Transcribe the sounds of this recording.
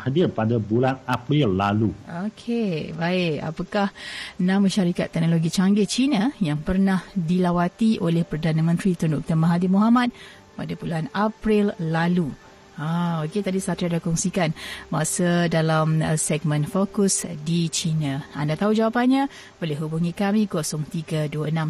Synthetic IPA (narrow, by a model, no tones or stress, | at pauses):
hadirpadabulanapɾilːaluokʰebaɪʔa̰pakahnãməʃaɾikat̪ːɛk̚noloɡit͡ʃaŋɡɪt͡ʃinajaŋpərnahdilawat̪iʔolehpərdanamə̃nt̪ɾit̪ɔrndɔk̚t̪ərmaɦadimuɦamat̪̚ | padapuluanapɾilːalu | aoket̪adisat̪ɾiandakɔŋsikanbasədalamsɛɡ̚mə̃nfokusdit͡ʃinãa̰ndat̪aud͡ʒawapanɲa | bolɪɦubuŋikamĩkosɔŋt̪iɡəduəənãm